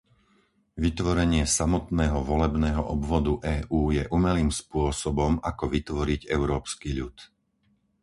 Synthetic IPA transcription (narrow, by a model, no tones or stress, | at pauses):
ʋit̪ʋɔɾɛɲɪɛsamɔt̪nɛːɦɔʋɔlɛbnɛːɦɔʔɔbʋɔd̪uʔɛːʔuːjɛʔumɛliːmspʊɔsɔbɔmakɔʋit̪ʋɔɾiɟɛʊɾɔːpskiʎut̪